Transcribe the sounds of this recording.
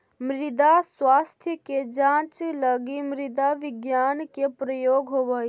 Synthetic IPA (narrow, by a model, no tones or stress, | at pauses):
mɾɪd̪aswaːst̪ʰjəked͡ʒãːt͡ʃləɡimɾɪd̪aʋɪɡjaːnkepɾəjoːɡɦobəi